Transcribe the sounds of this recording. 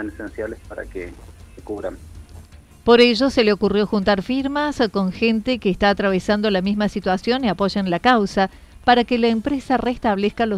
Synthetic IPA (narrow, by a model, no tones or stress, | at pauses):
anesensjalespaɾa̰kḛsekuβɾa̰m | po̞ɾeʒo̞seleo̞kurjo̞xunt̪aɾfiɾmasko̞ŋxent̪ekeːst̪aːt̪ɾaβ̞esand̪olamizmasit̪wasjo̞niapo̞ʒanlakawsa | paɾakelaempɾesarest̪aβleskalo